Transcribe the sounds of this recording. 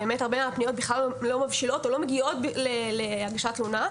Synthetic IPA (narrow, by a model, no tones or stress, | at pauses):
emethaʁbemaːpnijo̞t̚biχlallo̞mavʃilo̞to̞lo̞meɡio̞t̚bleleaɡaʃatluna